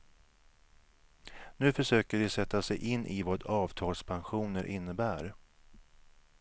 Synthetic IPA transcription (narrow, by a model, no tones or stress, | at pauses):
nʉ̟ːfœʂøːkəɖɪsɛt̪ːasɛjʔɪnːʔɪvɑd̪ɑːvt̪ʰɑːlspʰanɧuːnəɾʔɪnːəbæːɾ